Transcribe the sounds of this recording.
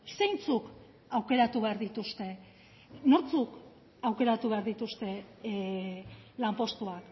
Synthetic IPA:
se̞jnt͡suk | awke̞ɾat̪uβe̞aɾðit̪ust̪e̞ | no̞ɾt͡suk | awke̞ɾat̪uβe̞aɾðit̪ust̪e̞ | lampo̞st̪uak

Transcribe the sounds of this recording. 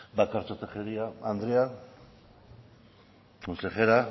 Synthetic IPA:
bakaɾt͡sot̪exeɾiaand̪ɾea | konseχeɾa

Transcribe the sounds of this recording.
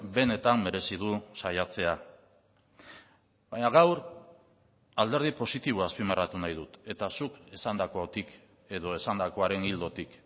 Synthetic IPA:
be̞ne̞t̪amːe̞ɾe̞sið̞usajat͡se̞a | baɲaɣawɾ | ald̪e̞ɾð̞ipo̞sit̪iβ̞oaspimerat̪unajðut̪e̞t̪asukesand̪ako̞t̪ik | e̞ðo̞e̞sand̪ako̞aɾe̞nild̪o̞t̪ik

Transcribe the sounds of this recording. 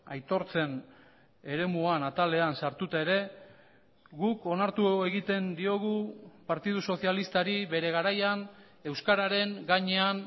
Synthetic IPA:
ajt̪o̞ɾt͡se̞n | e̞ɾe̞muanat̪ale̞ansaɾt̪ut̪ae̞ɾe̞ | ɣuko̞naɾt̪uoe̞ɣit̪e̞nd̪io̞ɣ̞upaɾt̪ið̞uso̞sialist̪aɾiβe̞ɾe̞ɣ̞aɾajan | e̞wskaɾaɾe̞ŋɡaɲe̞an

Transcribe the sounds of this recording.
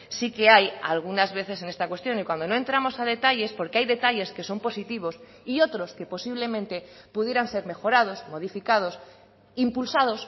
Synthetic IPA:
sike̞ajalɣ̞unazβe̞θe̞se̞ne̞st̪akwe̞st̪jo̞nikwand̪o̞no̞e̞nt̪ɾamo̞saðe̞t̪aʎe̞spo̞ɾkeajðe̞t̪aʎe̞ske̞so̞mpo̞sit̪iβ̞o̞s | io̞t̪ɾo̞ske̞po̞siβ̞le̞mẽnt̪e̞puðjeɾanse̞ɾme̞xo̞ɾað̞o̞smo̞ð̞ifikað̞o̞s | impulsað̞o̞s

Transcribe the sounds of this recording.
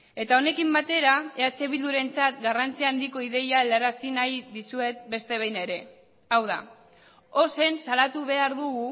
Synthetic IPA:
e̞t̪ao̞ne̞kimbat̪e̞ɾae̞at͡se̞βild̪uɾe̞nt͡sat̪ɡarant͡siaːnd̪iko̞iðe̞jalaɾasinajðisue̞t̪̚be̞st̪e̞βe̞jne̞ɾe̞ | awða̰ | o̞se̞nsalat̪uβe̞aɾðuɣu

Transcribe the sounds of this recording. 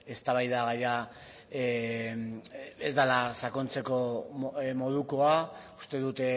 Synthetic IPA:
e̞st̪aβajðaɣaja | e̞zd̪alasako̞nt͡se̞ko̞ | mo̞ð̞uko̞aust̪e̞ðut̪

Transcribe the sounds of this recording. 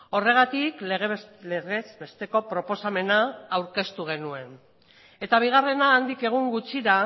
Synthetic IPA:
o̞re̞ɣ̞at̪ikleɣeleɣe̞zbe̞st̪e̞ko̞pɾo̞po̞same̞naːwɾke̞st̪uɣ̞e̞nue̞n | e̞t̪aβ̞iɣ̞are̞naːnd̪ike̞ɣ̞uŋɡut͡ʃiɾa

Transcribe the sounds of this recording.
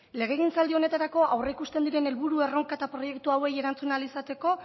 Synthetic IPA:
le̞ɣ̞e̞ɣint͡sald̪io̞ne̞t̪aɾako̞ʔawreikust̪e̞nd̪iɾe̞ne̞lβuɾue̞ro̞ŋkaet̪apɾo̞je̞kt̪uawe̞je̞ɾant͡sunalisat̪e̞ko̞

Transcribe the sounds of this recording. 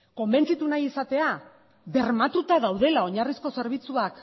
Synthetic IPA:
ko̞mbe̞nt͡sit̪unajisat̪e̞a | βe̞ɾmat̪ut̪aðawðe̞lao̞ɲarisko̞se̞ɾβ̞it͡suak

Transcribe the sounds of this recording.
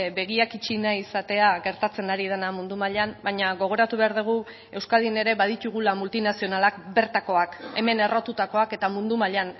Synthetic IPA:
be̞ɣ̞iakit͡ʃinaisat̪e̞aɣe̞ɾt̪at͡se̞naɾið̞e̞namund̪umaʎambajɲaɣo̞ɣ̞o̞ɾat̪uβe̞aɾð̞uɣ̞u | e̞wskalðine̞ɾe̞βað̞it̪uɣ̞ulamult̪inasio̞nalakbe̞ɾt̪ako̞ake̞̰me̞ne̞ro̞t̪ut̪ako̞ake̞t̪amund̪umaʎan

